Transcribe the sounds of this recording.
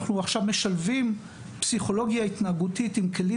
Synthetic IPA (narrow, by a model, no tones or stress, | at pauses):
χnuaχʃavme̞ʃalvim | psiχo̞lo̞ɡjait̪naːɡutitimkʰe̞li